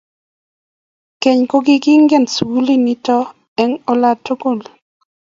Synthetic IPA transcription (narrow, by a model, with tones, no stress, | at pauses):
ke˨ɲko˦ɡɪ˦ɡɪ˦ŋɡɛ˦˨nswu˦li˦ni˦tɔ˦ | ɛ˨ŋo˦la˦tːo˦ko˦˨l